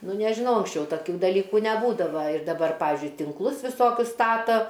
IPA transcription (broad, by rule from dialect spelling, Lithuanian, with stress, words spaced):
ˈnʊ nʲɛʒʲɪˈnɐʊ ɐŋksʲˈt͡ʃʲɛʊ tɐˈkʲuː dɐˈlʲiːkuː nʲɛˈbuːdɐʋɐ ɪr dɐˈbɐr ˈpɑːʋʲɪzʲd͡ʒʲʊɪ tʲɪŋkˈlˠʊs ʋʲɪˈsoːkʲʊs ˈstɑːtoː